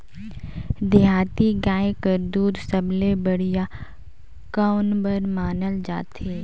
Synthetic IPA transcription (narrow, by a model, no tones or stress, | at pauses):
d̪ɪɦaːt̪iɡaːẽkəɾd̪uːɾsəblebəɽ̤ija | kaʊnbəɾmaːnəld͡ʒaːt̪eː